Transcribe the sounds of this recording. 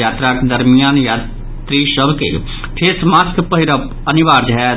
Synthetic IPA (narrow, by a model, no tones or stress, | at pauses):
aːt̪ɾaːkd̪əɾmijaːnjaː | t̪ɾiːʃəbkḛ | ʈʰeːsmaːskpəɦiɾəp | əniʋaːɾd͡ʒɦɛ